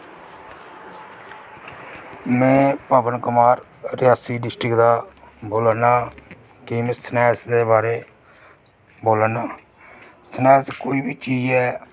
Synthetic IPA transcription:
mɛ̃ːpəbənkəmaːɾ | ɾɪjaːsiːɖɪsʈɾɪkd̪aːboːlənaː | kiːmẽːsənɛːsd̪eːbaːɾeː | boːlənaː | sənɛːskoːiːbʱiːt͡ʃiːd͡ʒɛː

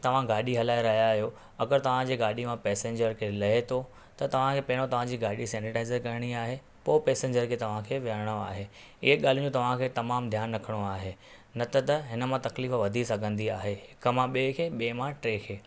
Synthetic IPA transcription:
t̪ɐʋ̤ãɡaːɗiɦɐlaːeɾɐɦijaijo | ɐɡəɾt̪ɐʋ̤ãd͡ʑeːɡaːɗimãpɛːsẽɲd͡ʑəɾkʰelɐɦet̪ʰo | t̪ɐt̪ɐʋ̤ãkʰeːpɐɦɪɽ̃ot̪ɐʋ̤ãd͡ʑiːɡaːɗisɛ̃ːɳʈɪʈaːɪzəɾkɐɾɪɽ̃iaːɦe | poːpɛːsẽɲd͡ʑəɾkʰeːt̪ɐʋ̤ãkʰeːʋəɽ̃oa̰ːɦeː | ɪɦeɠaːl̤iũd͡ʑõːt̪ɐʋ̤ãkʰeːt̪ɐmaːmd̪ʱjaːnɾɐkʰəɽ̃oaːɦe | nɐt̪ət̪ɐɦɪnə̆mãt̪ɐkliːfʋɐd̪ʱisɐɡʱə̃nd̪iaːɦeɦɪkə̆mãɓeːkʰeɓeːmãʈɾeːkʰeː

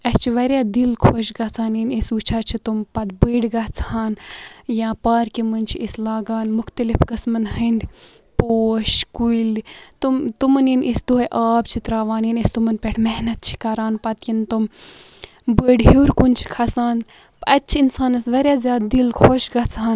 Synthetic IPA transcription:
ɐst͡ʃʰiʋɐɾʲjaːd̪ilkʰoʃɡɐt͡sʰaːninesut͡ʃʰaːt͡ʃʰit̪umpɐd̪bəːɖɡɐt͡sʰaːnjaːpaːɾkimɨnʲt͡ʃʰiislaːɡaːnmuxt̪ɐlifkɐsmɨnɦɐnd̪ | poːʃkuilt̪umt̪umɨninʔisd̪oːʔaːbt͡ʃʰit̪ɾaːʋaːninest̪umɐnpʲɛʈʰmɛɦnɐt̪̚t͡ʃʰi̥kɐɾaːnpɐt̪jint̪um | bəːɖɦiːɾkunt͡ʃʰi̥kʰɐsaːn | pɐtːt͡ʃʰiinsaːnɐsʋɐɾʲjaːzjaːd̪̚d̪ilkʰoʃɡɐt͡sʰaːn

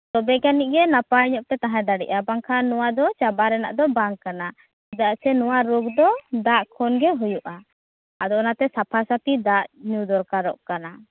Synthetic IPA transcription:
t̪ɔbɛkaniʔ̚ˀɡɛnapaiɲɔʔ̚t̪ɛt̪aɦãd̪aɽḭʔabaŋkʰanuwad̪ɔt͡ʃabaɾɛna̰ʔd̪ɔbaŋkana | id̪aʔsɛnuwaɾuɡd̪ɔd̪aʔkʰɔnɡɛɦujuʔa | ad̪ɔɔnat̪ɛsapʰasapid̪aʔɲud̪ɔɾkaɾɔʔkana

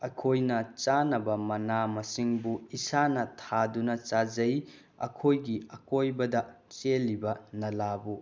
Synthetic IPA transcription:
ɐkʰojnɐt͡ʃanɐbɐmɐnamɐsiŋbuisanɐtʰadunɐt͡ʃad͡ʒɐj | ɐ̰kʰojɡiɐkojbɐdɐt͡ʃelːibɐnɐlabu

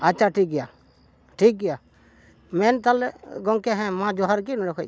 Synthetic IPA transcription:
at͡ʃʰaʈʰik̚ɡɛja | ʈʰik̚ɡɛja | mɛnt̪alɛɡɔŋkɛɦɛ̃mãd͡ʒɔɦaɾkinɔɾɔkʰɔj

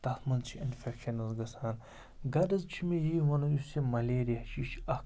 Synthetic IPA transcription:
t̪ɐt̪mɐnt͡ʃʰiinfekʃɐnɐzɡɐsaːn | ɡɐdɐzt͡ʃʰimejiʋɐnuusemɐlʲeːɾijɐʃʰit͡ʃʰɐk

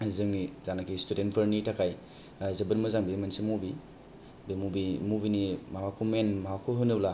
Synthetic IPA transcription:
zɯŋnizanakʰistudentpʰɐɾnitʰakʰaj | zɐbɯɾmɐzaŋbemansimubi | bemubimubinimawakʰumenmaakʰoɦɯnɯbla

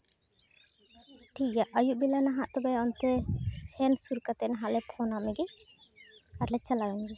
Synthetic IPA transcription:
ʈʰikjaʔʔəjuʔ̚bilanaɦaʔt̪ɔbɛɔnt̪ɛsɛnsuɾkat̪ɛnaɦaʔlɛpʰɔnamɛɡɛ | aɾlɛt͡ʃalaɡɔɲɡɛ

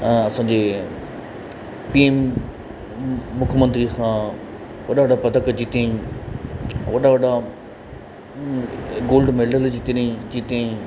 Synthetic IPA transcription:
ɐsãːɲd͡ʑeː | piːem | ʊkʰəmə̃nt̪ɾisãː | ʋɐɗaʋɐɗapɐt̪əkd͡ʑit̪ẽĩ | ʋɐɗaʋɐɗa | ɡoːlɖmeɖəld͡ʑit̪nĩd͡ʑit̪eĩ

